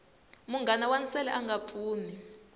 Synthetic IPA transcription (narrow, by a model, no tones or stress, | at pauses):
muŋɡanawanisɛlɛʔaŋɡap̪fʰuːni